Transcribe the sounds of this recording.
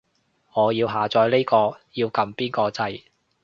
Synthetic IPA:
ŋɔː˨˧jiː˧wɦaː˨˧t͡sɔː˧jle˥jkɔː˧jiː˧wkɐ˨˧mpiː˥nkɔː˧t͡sɐ˧j

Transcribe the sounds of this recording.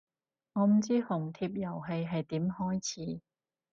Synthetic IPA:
ŋɔː˨˧m̩˨˩t͡siː˥hʊ˨˩ŋt̪ʰiː˧p̚jɐ˨˩wɦe˧jɦɐ˨jt̪iː˨˥mhɔː˥jt͡sʰiː˨˥

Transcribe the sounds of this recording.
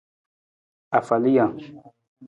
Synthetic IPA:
a˨fa˨li˦ja˨

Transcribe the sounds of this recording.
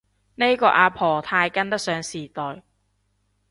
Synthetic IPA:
ne˥jkɔː˧ʔaː˧pʰɔː˨˩t̪ʰaː˧jkɐ˥nt̪ɐ˥k̚sœː˨˧˥ŋsiː˨˩t̪ɔː˨j

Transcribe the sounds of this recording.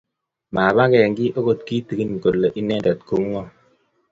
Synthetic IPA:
ma˨ba˦kɛ˨ŋɡɪ˦ʔo˦ko˦tki˦ti˨ki˦n˨ko˨lːe˨ʔi˦nɛ˦da˨t̚ku˨˦ŋŋɔ˦

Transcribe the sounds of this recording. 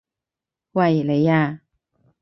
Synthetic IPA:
wa˧˨jle˨˦ja˧˨

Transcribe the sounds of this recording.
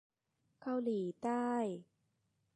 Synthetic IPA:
ka˥˩˧wliː˩˦t̪aː˥˩j

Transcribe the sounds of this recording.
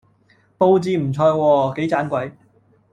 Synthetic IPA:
po˧wt͡siː˧m̩˨˩t͡sʰɔː˧jwɔː˧ke˨˥jt͡saː˨˥nkʷɐ˨˥j

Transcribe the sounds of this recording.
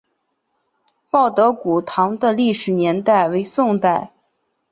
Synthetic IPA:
pɑ˥˩ʊt̪ɤ˧˥ku˨˩t̪ʰɑ˧˥ŋd̪ə˧li˥˩ʂɻ̩˨˩njɛ˧˥nt̪a˥˩ɪwe˧˥ɪsʊ˥˧ŋt̪a˥˩ɪ

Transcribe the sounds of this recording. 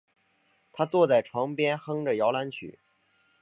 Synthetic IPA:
t̪ʰa˥t͡swɔ˥˧t͡sa˥˩ɪʈ͡ʂʰwɑ˧˥ŋpjɛ˥nxɤ˥ŋʈ͡ʂə˨˩jɑ˧˥ʊla˧˥nt͡ɕʰy̰˨˩˦

